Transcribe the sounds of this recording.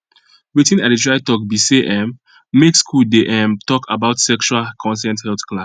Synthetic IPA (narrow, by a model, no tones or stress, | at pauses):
witĩnaditɹaɪtɔk̚biseʔɛ̃mː | ekskʰuldeʔɛ̃mtɔkʰabaʊtsɛkʃualkʰɔ̃nsɛ̃nthɛlθklas